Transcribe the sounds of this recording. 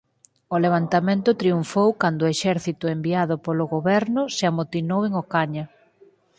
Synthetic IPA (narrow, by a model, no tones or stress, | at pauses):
ʊleβ̞ant̪amẽnt̪ʊt̪ɾiuɱfowkand̪oeʃɛɾθit̪ʊembiaðʊpolʊɣoβɛɾnʊseamot̪inoweŋokaɲɐ